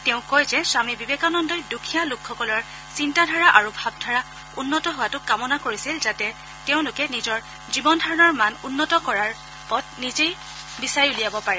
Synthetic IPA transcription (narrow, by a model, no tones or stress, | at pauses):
teʊ̃kɔjzɛswamibibekanɔndɔjdukʰijalʊkʰːɔkɔlɔɹ | sintadʱaɹaʔaɹubʱab̚dʱaɹa | unːɔtɔɦʊwatʊkamɔnakoɹisilzatɛ | teʊ̃lʊkɛnizɔɹ | zibɔndʱaɹɔnɔɹmanunːɔtɔkɔɹaɹ | pɔt̚nizej | bisaɹiulijabɔpaɹɛ